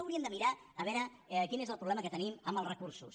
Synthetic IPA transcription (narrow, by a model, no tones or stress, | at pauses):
əwɾiəmnd̪əmiɾa | əβɛɾə | kinezəlˠpɾuβlɛməkət̪əniməmbəlˠrəkursṵs